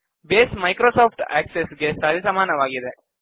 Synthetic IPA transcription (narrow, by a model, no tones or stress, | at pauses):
beːsmɐjkɾoːsoːpʰʈɛ̰ːksesɡesɐɾisɐmaːnɐʋaːɡid̪e